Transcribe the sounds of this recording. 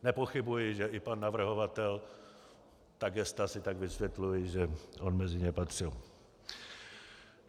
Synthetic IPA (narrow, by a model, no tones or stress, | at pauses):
nɛpo̞xɪbujɪʒɛʔɪpanːavr̩ɦo̞vat̪ɛl | t̪aɡɛst̪asɪt̪aɡvɪsvjɛt̪lujɪʒɛʔonmɛzɪɲɛpat̪r̝̥ɪl